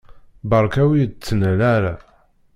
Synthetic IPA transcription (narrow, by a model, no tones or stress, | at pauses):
bɑɾˤkæwit͡sːənəlæɾa